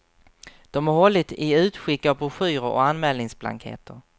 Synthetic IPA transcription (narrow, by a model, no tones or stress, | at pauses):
d̪̥ɔmaɾɦɔlːɪt̪ɪʉ̟ːt̪ɧɪkːapʰɔɧyːɾəɾɔ̰kanmɛːlnɪŋsbla̰ŋkhḛːt̪əɾ